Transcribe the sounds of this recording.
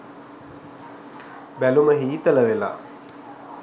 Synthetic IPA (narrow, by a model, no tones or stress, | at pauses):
bæluməɦiːt̪ələʋela̰ː